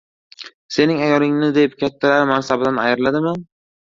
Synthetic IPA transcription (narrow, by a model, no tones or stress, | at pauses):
se̞nɪŋajɒɾɪŋnɪd̪ep̚kʲʰat̪ʰːalaɾmansabɪd̪anajɪɾlad̪ɪma